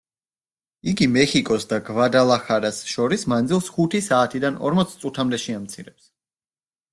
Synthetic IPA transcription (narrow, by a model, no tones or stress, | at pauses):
iɡimɛχikʼɔsd̪aɡvad̪alˠaχaɾasʃɔɾismand̪zilˠsχut̪ʰisaːt̪ʰid̪anɔ̰ɾmɔt̪sʰt̪sʼut̪ʰamd̪ɛʃiamt̪sʰiɾɛps